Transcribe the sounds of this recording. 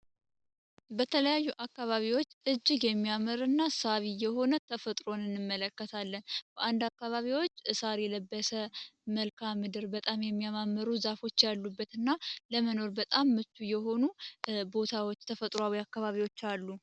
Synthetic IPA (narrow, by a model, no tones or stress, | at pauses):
bət̪ʰələjajːuʔakːaβaβiwo̞t͡ʃːʔɨd͡ʒːɪɡjɛmːijaməɾɨnːasaβijɛho̞nət̪ʰəfət̪ʼɾo̞nɨnːɨmːələkːət̪ʰalːənb̥əʔand̪akːaβaβiwo̞t͡ʃːɨsaɾjɛləbːəsəməlkʰamːɨd̪ɨɾbət̪ʼamjɛmːijamamːəɾuzafo̞t͡ʃːjalːubːət̪ɨnːaləməno̞ɾbət̪ʼamːɨt̪ʰːujɛɦo̞nubo̞t̪ʰawo̞t͡ʃːt̪ʰəfət̪ʼɾoawiakːaβaβiwo̞t͡ʃːalːu